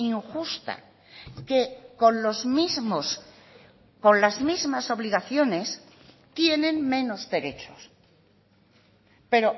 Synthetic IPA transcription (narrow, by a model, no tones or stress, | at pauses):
iŋxust̪a̰ | ke̞ko̞nlo̞zmizmos | ko̞nlazmizmaso̞βliɣaθjo̞ne̞s | t̪je̞nẽ̞nmẽ̞no̞zðe̞ɾe̞t͡ʃo̞̥s | pe̞ɾo̞